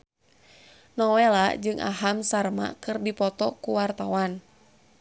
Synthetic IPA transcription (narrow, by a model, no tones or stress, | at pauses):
nɔwɛlad͡ʒɨŋʔa̰ɦamsarma̰kɨrdipɔt̪ɔkuwart̪awan